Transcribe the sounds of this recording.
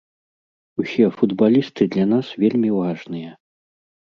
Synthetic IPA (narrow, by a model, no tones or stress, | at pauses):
usʲɛfud̪balʲist̪ɨd̪lʲanasvʲelʲmʲivaʐnɨjɐ